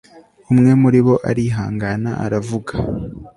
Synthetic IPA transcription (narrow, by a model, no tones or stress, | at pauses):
umŋe̞muɾiβo̞ʔa̰ɾiɦaːŋɡanaʔa̰ɾavuɡḁ